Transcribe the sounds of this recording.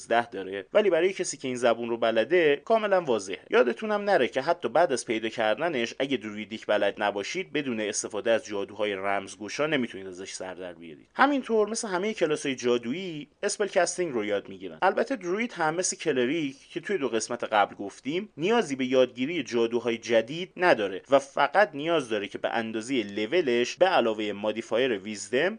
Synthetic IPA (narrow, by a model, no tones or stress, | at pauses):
zd̪æhd̪ɒːɾevæliːbæɾɒːje̞cʰesiːcʰe̞iːnzæbunrobælæd̪e̞kʰɒːme̞lænvɒːze̞hejʔɒːd̪e̞t̪ʰunæmnæɾecʰe̞ɦæt̪ʰːɒːbæːd̪æzpʰe̞jd̪ɒːcʰæɾd̪æne̞ʃʔæɟed̪ɾuid̪icʰbælæd̪næbɒːʃiːd̪̚be̞d̪uːneest̪e̞fɒːd̪eæzd͡ʒɒːd̪uːɦɒːje̞ɾæmzɡoʃɒːne̞mit̪ʰuniːd̪æzeʃsæ̰ɾd̪æ̰ɾbijɒ̰ːɾḭhæmint̪ʰo̞ɾmeseɦæme̞jecʰe̞lɒːsɒːjed͡ʒɒːd̪uie̞spe̞lcʰæst̪iŋɾojɒːd̪miɟiɾæ̰nælbæt̪ʰːed̪ɾuid̪hæmːe̞slecʰe̞leɾicʰcʰːe̞t̪ʰujed̪oɣe̞smæt̪ʰeɣæblɡo̞ft̪iːmnijɒːziːbe̞jɒːd̪̚ɟiːɾije̞d͡ʒɒːd̪uːɦɒːjed͡ʒæd̪iːd̪næd̪ɒːɾe̞væfæɡæt̪ʰnijɒːzd̪ɒːɾecʰe̞bḛʔænd̪ɒːzejele̞ve̞le̞ʃbeælɒːve̞jemɒd̪ifɒːje̞ɾevizd̪e̞m